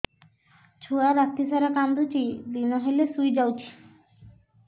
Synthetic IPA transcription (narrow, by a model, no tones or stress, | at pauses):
t͡ɕʰuaɾat̪ːisaɾakand̪ut͡ɕid̪inoɦelesujd͡ʑawt͡ɕʰi̥